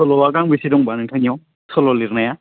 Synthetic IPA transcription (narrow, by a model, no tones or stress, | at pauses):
sɔlɔwaɡaŋbisidɔŋbanɯŋtʰanijɔw | sʰɔlɔliɾnaja